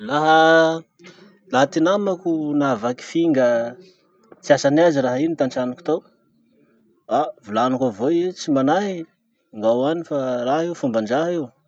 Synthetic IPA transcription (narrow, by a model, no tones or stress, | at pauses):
laɦə | laɦat̪inamakunavaki̥fiŋɡə | t͡siasanaziraɦinit̪anʈ͡ʂanuku̥t̪aw | avulanukavoet͡simanaɦi | ŋɡawanifaraɦeufumband͡ʒaɦew